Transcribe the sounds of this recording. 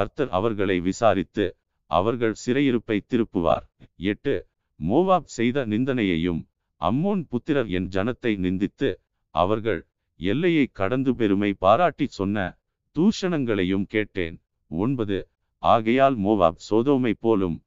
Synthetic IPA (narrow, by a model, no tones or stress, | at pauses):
kɐɾt̪ɐɾɐ̰ʋɐɾɣɐɭɐɪʋɪsaːɾɪt̪ːɯ | ʔɐ̰ʋɐɾɣɐɭsɪɾɐjɪɾɯpːɐɪt̪ːɪɾɯpːɯʋa̰ːɾɛʈːɯ | moːʋaːb̚sɛjðɐnɪnd̪ɐnɐjɐjɯ̰m | ʔɐ̰mːoːnpʊt̪ːɪɾɐʋɛ̰nd͡ʒɐnɐt̪ːɐɪnɪnd̪ɪt̪ːɯ | ʔɐ̰ʋɐɾɣɐɭ | ɛlːɐjɐɪkːɐɽɐnd̪ɯpɛɾɯmɐɪpaːɾaːʈːisɔnːɐ̰ | t̪uːʂɐnɐŋɡɐɭɐjɯmkeːʈːḛːn | ɔnbɐðɯ | ʔaːɣɐjaːlmoːʋa̰ːb̚soːðoːmɐɪpːoːlɯ̰m